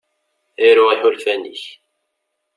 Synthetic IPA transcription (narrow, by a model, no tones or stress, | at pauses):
iɾʊʁiħʊlfænḭç